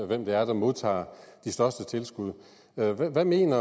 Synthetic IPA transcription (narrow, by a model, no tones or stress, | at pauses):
ʋem̰d̥eæɐd̥ɑmo̝ð̞̰ˠt͡sʰɑ̰̈ːd̥isd̥ɶɐsd̥ət͡sʰe̝lsɡ̥uð̞̰ˠ | øʋæʋæme̝̰ːnɐ